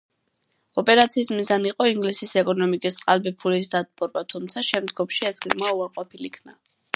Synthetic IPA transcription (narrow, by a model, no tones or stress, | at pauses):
ɔpʼɛɾat̪sʰiːsmizaniqʼɔiŋɡlisisɛkʼɔnɔmikʼisqʼalbipʰulis̬d̪ad̪̚bʼɔɾbat̪ʰumt̪sʰaʃɛmd̪ɡɔmʃiɛsɡɛɡmauaɾqʼɔpʰilikʰna